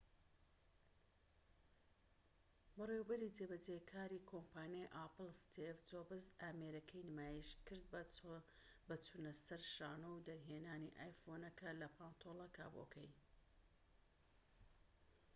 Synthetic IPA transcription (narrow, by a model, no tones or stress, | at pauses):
bɨrewbɐɾit͡sebɐd͡zekʰaːɾiːkʰompʰaːnjajʔaːpɨlˠst̪ʰevt͡soːbɨzaːmeːɾɐkʰɐjnɨmaːjiʃkɨɾd̪̚ | bɐt͡sʰunɐsɐɾʃaːnowd̪ɐɾɦeːnaːniʔaːjfonɐkʰɐlɐpʰaːnt̪ʰolˠɐka̰ːbo̰kʰɐ̰j